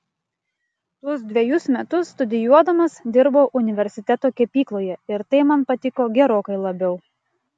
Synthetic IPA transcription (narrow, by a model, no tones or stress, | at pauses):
t̪ɔsd̪ʲʋʲɛjʊsmʲɛt̪ʊsːt̪ʊd̪ʲɪjuɔd̪ɐmɐsd̪ʲɪɾboːʔʊnʲɪʋʲɛɾʲsʲɪt̪ʲɛt̪oːkʲɛpʲiːklˠoːjɛɪɾt̪ɐɪmɐnpɐt̪ʲɪkoːɡʲɛɾoːkɐɪlˠɐbʲɛʊ